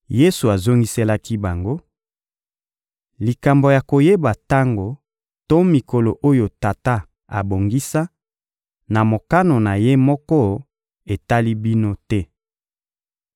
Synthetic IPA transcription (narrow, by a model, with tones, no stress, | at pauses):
je˦su˨a˨zo˦ŋɡi˦se˦la˦ki˦ba˨ŋɡo˦ | li˨ka˨mbo˨ja˨ko˨je˦ba˨ta˦ŋɡo˨ | to˦mi˨ko˨lo˨ʔo˦jo˨ta˨ta˦ | a̰˨bo˨ŋɡi˦sa˦ | na˨mo˨ka˦no˨na˨je˦mɔ˦kɔ˦ | e˨ta˦li˦bi˦no˦tɛ˦